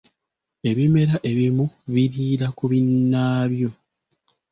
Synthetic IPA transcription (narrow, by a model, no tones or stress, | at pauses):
e̞βime̞ɾaʔe̞βimuβiɾiːɾakuβinːaːβjo̞